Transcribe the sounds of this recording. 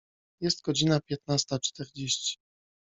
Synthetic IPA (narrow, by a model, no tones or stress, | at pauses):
jɛst̪ɡɔd͡ʑinapʲjɛt̪̚nast̪at͡ʂt̪ɛɾd͡ʑeɕt͡ɕi̥